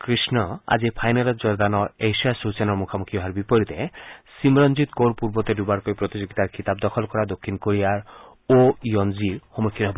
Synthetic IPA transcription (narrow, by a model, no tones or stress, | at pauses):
kɾisnɔa̰d͡ʑipʰajnalɔɾd͡ʒɔɾd̪anɔejsiasut͡ʃanɔɾmukʰamukʰiɔɦaɾbipɔɾit̪esimɾɔnd͡ʑit̪koɾpuɾbɔt̪eɖubaɾkoipɾot̪id͡ʑoɡit̪aɾkit̪ab̚d̪ɔkʰɔlkɔɾad̪okʰːinkoɾiaɾ | ojɔnd͡ʑiɾxɔmokʰːinɦɔbɔ